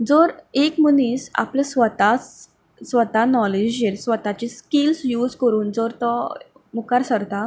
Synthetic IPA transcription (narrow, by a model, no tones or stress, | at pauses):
d͡zoɾekmuniːsa̰plesʋət̪as | sʋət̪anɔled͡ʑjeɾsʋət̪at͡ɕiskilsjuːd͡zkəɾuːnd͡zoɾt̪ɔ | mukaɾsəɾt̪a